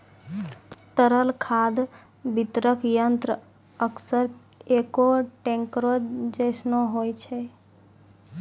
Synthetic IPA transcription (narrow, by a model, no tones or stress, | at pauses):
t̪əɾəlkʰad̪ | bit̪ɾəkjənt̪ɾə | əksəɾ | ekoʈeŋkɾod͡ʒd͡ʒesnoɦojt͡ʃʰɛ